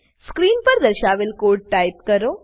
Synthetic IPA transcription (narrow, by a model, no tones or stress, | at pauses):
skɾiːnpəɾd̪əɾɕaʋeːlkoːɽɖ̚ʈajp̚kəɾo